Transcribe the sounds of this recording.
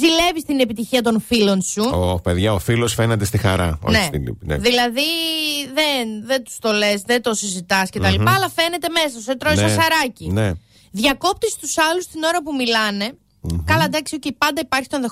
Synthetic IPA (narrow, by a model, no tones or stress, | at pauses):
zile̞vist̪ine̞pit̪içiɐt̪̬o̞nfilo̞nsuope̞ðʝɐofilosfenet̪est̪ixɐ̰ɾɐ̰o̰nnesḭlḭnḛðilɐðiðenðent̪u̥st̪o̞le̞sðent̪o̞sizit̪ɐscet̪ɐlipɐːlɐfe̞ne̞t̪e̞me̞s̬ɐset̪ɾoiɐsɐɾɐcine | ðʝɐko̞p̚t̪ist̪usɐlust̪ino̞ɾɐpumilɐne̞ | kɐlɐd̪ɐksioceipɐnd̪ɐipɐɾçi̥t̪o̞nðe